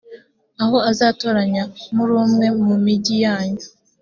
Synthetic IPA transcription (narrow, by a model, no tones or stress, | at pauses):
aho̞azaːtoɾaɲamuɾuːmŋe̞mumiɟijaːɲu